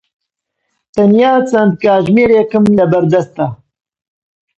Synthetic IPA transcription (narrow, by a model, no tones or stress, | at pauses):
t̪ɐnjaːt͡sɐnd̪̚kaːʒmeːɾeːkɨmlɐbɐɾd̪ɐst̪ɐ